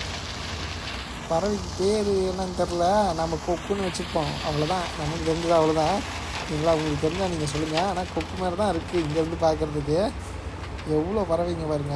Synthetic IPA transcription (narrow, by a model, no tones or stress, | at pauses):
pɐɾɐʋɪkːɯp̪eːɾɯɛnɐŋɡ̪ɐɾlɐnɐmːɐkɔkːɯnːɯʋɛt͡ʃːɯpːõːɐ̰ʋɐɭɐt̪ãːnɐmːɐkɯt̪ɛɾnd̪ɯðãːɐʋɐɭot̪ãː | niːŋɡɐɭaːʋʊŋɡɐɭɐɭkːɯt̪ɛɾɯnd̪ãːniːŋɡɐsɔlːɯŋɡɐaːnaːkɔkːɯmeːɾɐt̪ãːɪɾɯkːɯ̃ɪŋɡɐʋɐnd̪ɯpaːɾkɯɾɐðɯk̬ːɯ | ɛʋːɐɭoːpɐɾɐʋɐɪŋɡɐpaːɾɯŋɡɐ